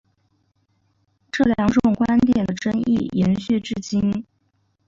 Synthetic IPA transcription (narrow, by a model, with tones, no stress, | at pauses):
ʈ͡ʂɤ˥˩ljɑ˧˥ŋʈ͡ʂʊ˥˩ŋkwa˥nt̪jɛ˨˩nd̪ə˩ʈ͡ʂɤ˥ŋḭ˥˩jɛ˧˥nɕy˥˧ʈ͡ʂɻ̩˥˧t͡ɕi˥n